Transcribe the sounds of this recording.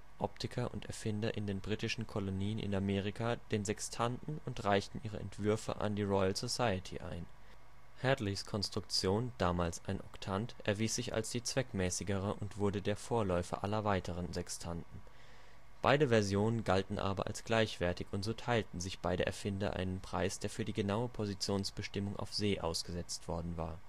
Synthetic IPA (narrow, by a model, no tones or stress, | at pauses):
ʔɔp̚tʰɪkʰɐʔʊ̰ntɛɐfɪndɐʔɪndeːnbʁiːtɪʃn̩kʰɔloniːənʔɪ̰nameːʁ̞ikʰaːd̥eːnzɛkstʰandn̩ʊntʁaɪçtn̩ʔiːʁ̞ə̰ɛ̰ntv̥ʏɐfə̰ʔa̰ndiːʁɔʏalz̥osaɪətʰḭʔa̰ɪn | hɛdliskʰɔnstʁ̥ʊk̚t͡sjoːnd̥aːmaːlsaɪnʔɔktʰantʔɛɐviːsz̥ɪça̰lsd̥iːt͡sv̥ɛkmɛːsɪɡəʁ̞əʔʊntv̥ʊɐdədeːɐfoːɐlɔʏfɐ̰ʔalɐvaɪtəʁ̞ənzɛkstʰantn̩ | b̥a̰ɪdəvɛɐzjoːnənɡaltn̩ʔa̰ːbɐ̰ʔa̰lsɡ̥laɪçv̥ɛɐtɪçʊntz̥oːtʰaɪltn̩zɪçb̥aɪɾə̰ʔɛ̰ɐfɪndɐ̰ʔa̰ɪnənpʁ̥a̰ɪsd̥eːɐfyːɐdiːɡənaʊəpʰozit͡sjoːnsb̥əʃtɪmʊŋʔa̰ʊfz̥eːʔa̰ʊsɡ̥əzɛt͡stv̥ɔɐdn̩va̰ːɐ